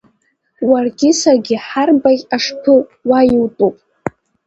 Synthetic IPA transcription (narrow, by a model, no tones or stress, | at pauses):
warɡʲɪsarɡʲɪħarbakʲʼaʂpʰɨwajiwtʼupʼ